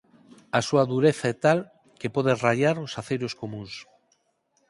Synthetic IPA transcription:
asuaðuɾeθaɛt̪al | kepoðeraʎaɾosaθejɾoskomũns

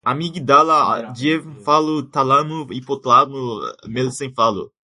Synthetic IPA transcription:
amiɡid̪alad͡ʒievfalʊt̪alamuipot̪lamumelsẽj̃falṵ

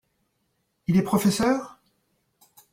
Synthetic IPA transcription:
ilɛpχɔfɛsœːʁ

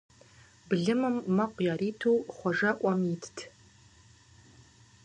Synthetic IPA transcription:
bɨɮɨmɨmːɐqʷjaːɾiːtʰuːχʷɔʐɐʔʷɐmjitʰtʰ

